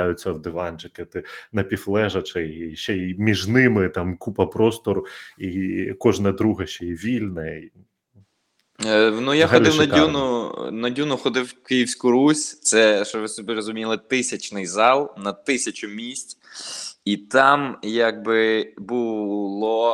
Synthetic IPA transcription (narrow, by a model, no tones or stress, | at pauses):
jʊt͡sʲːɐwd̪ɪʋɑnt͡ʃɪkɪt̪ɪnɐpʲiflˠɛʒɐt͡ʃɛjʃt͡ʃɛjimʲiʒnɪmɪt̪ɑmkupɐpɾɔst̪ɔɾikɔʒnɐd̪ɾuɦɐʃt͡ʃɛjiʋʲilʲnɛi | nujaɦɔd̪ʲɪwnɐdunʊnɐdʲunʊxɔd̪ɪwkɪjiwsʲkʊɾusʲt̪sɛʃɔʋɪsɔbʲiɾɔzʊmʲilˠɪt̪ɪsʲɐt͡ʃnɪjzɑlˠnɐt̪ɪsʲɐt͡ʃʲʊmʲisʲtʲ | it̪ɑmjɐɡ̚bɪbʊlˠɔ